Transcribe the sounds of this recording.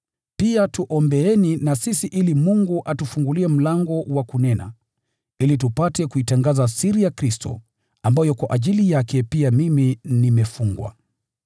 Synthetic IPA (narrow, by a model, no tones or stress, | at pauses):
piatuʔɔmbɛɛninasisiʔilimuŋɡuʔatufuŋɡuliɛm̩laŋɡɔwakunɛna̰ | ilitupatɛkuitaŋɡazasiɾijakɾistɔ̰ | ambajɔkwaʔaʄilijakɛpiamiminimɛfuŋɡwa̰